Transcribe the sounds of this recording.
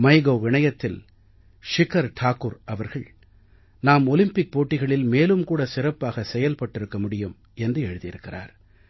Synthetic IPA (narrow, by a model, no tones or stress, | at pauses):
mɐɪɣoːʋɪɳɐjɐt̪ːɪl | ʂɪkɐɾʈʰaːkʊɾʔɐʋɐɾɣɐɭ | naːmɔlɪmpɪk̚poːʈːɪɣɐɭɪlmeːlɯmkuːɽɐsɪɾɐpːaːɣɐsɛjɐlpɐʈːɪɾɯkːɐmʊɽɪjɯm | ɛndrɯɛɻɯðɪjɪɾɯkːɪra̰ːɾ